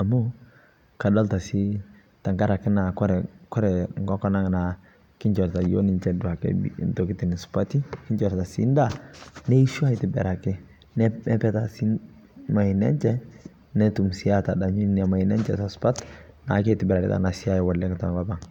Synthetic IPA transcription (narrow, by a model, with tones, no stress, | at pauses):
a˨mu˦ | ka˨dɔ˦lta˨si˦ | ta˨ŋka˦ɾa˨kːɪ˦na˨kɔ˦ɾɛ˨kɔ˦ɾɛ˨ŋ˨ɡɔ˦kɔ˦na˦ŋ˨na˨ | kɪ˦ɲt͡ʃɔ˨ɾta˨jo̰˦ni˨nt͡ʃɛ˨dʊ˨a˨kɛ̰˨ntɔ˨ki˦tɪ˨nɪ˨spa˦ti˦kɪ˦ɲt͡ʃɔ˨ɾta˨sḭ˦nda˦˨nɛ˦i˦ʃu˦a˦ɪ˨tɪ˨bɛ̰˨ɾa˨kɪ˦ | nɛ˦ɛ˦pɛ˦ta˨si˦ | ma˨i˨nɛ̰˦nt͡ʃɛ˦ | nɛ˦tu˨msi˦a˦ta˨da˨ɲu˦na˨ma˨i˨nɛ˦nt͡ʃɛ̰˨ta˨spa˦t | na̰˨˦ke˦tɪ˨bɛ˨ɾa˨ɾɪ̰˨ta̰˨na˨sɪ˦a˦jwa˨lːɛ˦kta˨ŋɡa˦ba˨ŋ